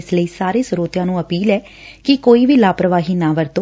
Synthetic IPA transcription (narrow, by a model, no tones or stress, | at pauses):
ɪsləiːsaːɾeːsʊɾoːt̪jãːnũːəpiːlɛː | kɪkoːiːʋiːlaːpɾəʋaːɦiːnãːʋəɾt̪oː